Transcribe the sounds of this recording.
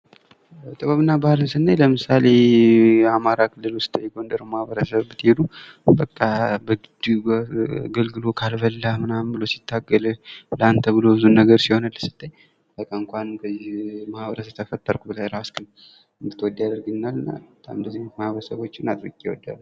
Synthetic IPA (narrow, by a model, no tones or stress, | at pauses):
t̪ʼəβaβɨnːabahlɨnsɨnːajləmɨsale̞ | amaɾakʰɨlːɨlʊst̪ʼjɛɡo̞nd̪əɾəmahβəɾəsəβbɨt̪hed̪ubəkʼːabəɡɨd̪u | ɡəlɡɨlo̞kʰalβəlːamɨnambɨlo̞si̥t̪ʰːaɡːəlləant̪ʰəbɨlo̞bɨzunːəɡəɾsiho̞nəlːəsɨ̥t̪ʰʼːəj | bəkʼːaɨŋkʷʰankʰəzːimahaβəɾəsət̪ʰəfət̪ʼːəɾkʷubəlajɾaskɨn | ɨnd̪ɨt̪ʰːwɔd̪ːjad̪əɾɡɨnalːɨnːa̰bət̪ʰːa̰mɨnd̪əzːimahβəɾəsəβo̞t͡ʃːɪnat̪ʼɾɨkʼjɛwɔ̰d̪ːa̰lː